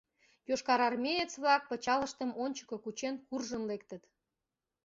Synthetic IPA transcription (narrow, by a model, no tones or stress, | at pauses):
joʃkɑɾɑrmʲejet͡sβlɑk̚pət͡ɕɑləʃt̪əmonʲt͡ɕə̥kokut͡ɕenkurʒənlekt̪ət̪